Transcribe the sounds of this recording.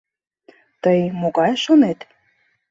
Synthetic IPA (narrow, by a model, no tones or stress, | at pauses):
t̪əjmoɣɑjʃonet̪